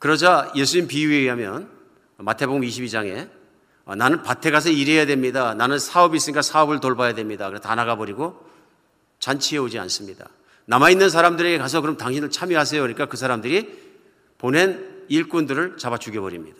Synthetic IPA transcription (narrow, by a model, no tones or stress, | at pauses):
kɯɾʌd͡ʑaje̞sʰuɲimpiueɥiɦamjʌn | matʰe̞boɡɯmiɕʰibid͡ʑaŋe̞ | ʌnanɯnpatʰe̞ɡas̬ʰʌiɾe̞jadwe̞mɲidananɯnsʰaʌbis͈ɯɲik͈asʰaʌbɯɭtoɭbajadwe̞mɲidakɯɾestanaɡabʌɾiɡo | t͡ɕant͡ɕʰieod͡ʑia̰ns͈ɯmɲida̰ | namainːɯns̬ʰaɾamdɯɾe̞ɡe̞kas̬ʰʌkɯɾʌmtaŋɕʰinɯɭt͡ɕʰamjiɦas̬ʰejokɯɲik͈akɯs̬ʰaɾamdɯɾi | pone̞niɭk͈undɯɾɯɭt͡ɕabat͡ɕ͈uɡebʌɾimɲid̥a